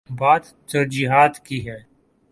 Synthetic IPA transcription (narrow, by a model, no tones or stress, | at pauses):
baːd̪ | t̪ɐɾd͡ʒiɦaːt̪kiɦɛː